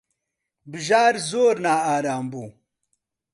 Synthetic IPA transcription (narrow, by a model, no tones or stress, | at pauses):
bɨʒaːɾzoːɾnaːaːɾaːmbuː